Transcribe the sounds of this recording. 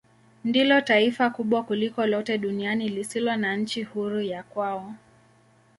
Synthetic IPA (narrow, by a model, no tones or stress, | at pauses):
ndilɔtaifakuɓwakulikɔlɔtɛɗunianilisilɔnaɲ̩t͡ʃihuɾujakwaɔ